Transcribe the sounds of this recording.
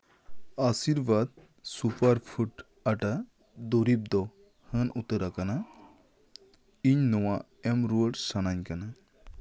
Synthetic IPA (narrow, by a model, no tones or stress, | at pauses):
asiɾʋad̪̚ | supaɾpʰuʈ | ɐʈa | d̪oɾip̚d̪ɔ | hənut̪əɾakana | iɲnɔwa | emɾoɖsanaɲkana